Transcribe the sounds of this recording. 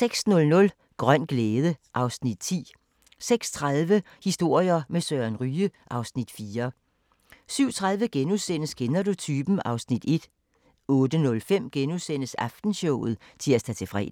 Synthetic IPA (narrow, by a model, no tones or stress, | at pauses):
seɡ̥snɔ̽lnɔ̽l | ɡ̥ʁɶn̰ɡ̥leːð̞ˠəʔɑ̈ʊsnid̥t͡sʰḭː | seɡ̥st͡sʰʁaðˠʋə | hisd̥o̝ɐ̰jɐmesøːɐnʁyːəʔɑ̈ʊsnid̥fiːɐ | syʊ̰t͡sʰʁað̞ˠʋəɡ̥enusen̰əsɡ̥enɐdot͡sʰyːb̥n̩ɑ̈ʊsnid̥e̝d̥ | ɔ̽ːd̥ənɔ̽lfem̰ɡ̥enusen̰əsɑfd̥n̩ɕɔʊ̰ð̩ˠ | t͡sʰe̝læst͡sʰɛt͡sʰe̝fʁɛ̰